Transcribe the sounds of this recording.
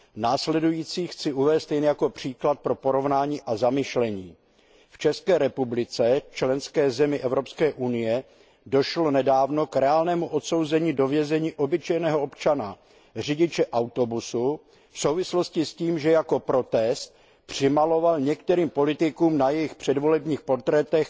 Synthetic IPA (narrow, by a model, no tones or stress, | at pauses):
naːslɛdujiːt͡siːxt͡sɪʔuvɛːst̪jɛnɛjako̞pr̝̥iːklat̪̚pɾo̞po̞ɾo̞vnaːɲiːʔazamɪʃlɛɲiː | ft͡ʃɛskɛːɾɛpublɪt͡sɛt͡ʃlɛnskɛːzɛmɪʔɛvɾopskɛːʔunɪjɛ | do̞ʃlo̞nɛdaːvno̞kɾɛaːlnɛːmuʔo̞t̪so̞wzɛɲiːdo̞vjɛzɛɲiːʔo̞bɪt͡ʃɛjnɛːɦoo̞pt͡ʃana | r̝ɪɟɪt͡ʃɛʔawt̪o̞busu | fsowvɪslo̞scɪsciːmʒɛjako̞pɾo̞t̪ɛst̪̚ | pr̝̥ɪmalo̞valɲɛk̚t̪ɛɾiːmpo̞lɪt̪ɪkuːmnajɛjɪxpr̥ɛdvo̞lɛbɲiːxpo̞rt̪ɾɛt̪ɛx